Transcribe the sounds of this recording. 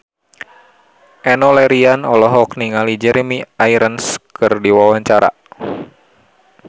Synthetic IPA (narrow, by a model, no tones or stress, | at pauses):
ʔɛnɔlɛɾianɔlɔɦɔkniŋalid͡ʒɛɾemiaiɾənskɨrdiwawaɲt͡ʃaɾa̰